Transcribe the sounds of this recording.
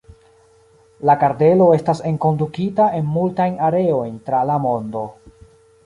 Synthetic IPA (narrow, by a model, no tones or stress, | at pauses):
lakaɾde̞lo̞e̞stase̞ŋko̞ndukitaʔe̞nmultajnaɾe̞o̞jntɾalamo̞ndo̞